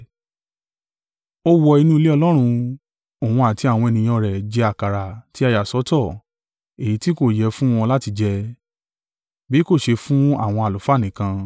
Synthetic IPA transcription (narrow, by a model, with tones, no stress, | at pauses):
o˦wɔ˧i˧nũ˦˧le˦ɔ˧lɔ˦ɾ̃ũ˧ | o˨wũ˧a˨ti˧˦a˦˨w̃ɔ̃˧e˧nĩ˨˧j̃ɔ̃˧˨ɾɛ˨d͡ʒɛ˧a˨ka˨ɾa˨ti˨˦a˧˨ja˨sɔ˨˦tɔ˦˨ | e˨i˨˦ti˦ko˦˨jɛ˧˦fũ˦w̃ɔ̃˧la˦ti˧d͡ʒɛ˧ | bi˨˦ko˦˨ʃe˧fũ˦a̰˦˨w̃ɔ̃˧a˨lo˨fa˦˨nĩ˨kã˧